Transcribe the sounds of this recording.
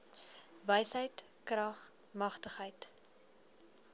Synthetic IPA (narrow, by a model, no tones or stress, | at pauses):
vəjsəjt | krɐχ | mɐχtəχəjt